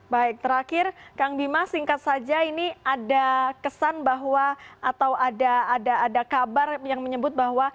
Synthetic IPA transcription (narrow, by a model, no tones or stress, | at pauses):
baɪk̚t̪əɾakɪrkaŋbimasiŋkat̪̚sad͡ʒainiadakəsanbaɦwaːt̪awadaːdaːdakabarjaŋməɲəbʊt̪̚baɦwa